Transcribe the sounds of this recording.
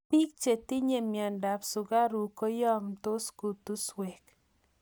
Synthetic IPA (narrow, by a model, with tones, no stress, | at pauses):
pi˦k̚t͡ʃe˨t̪i˦ɲe˨mjɔ˨nda˨psʊ˨ɡa˦ɾu˨ko˦jɔ˦mt̪o˦sku˨t̪u˦swe˨k